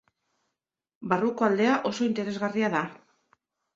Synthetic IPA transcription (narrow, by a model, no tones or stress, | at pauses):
baruko̞ald̪e̞aʔo̞so̞int̪e̞ɾe̞zɣariaða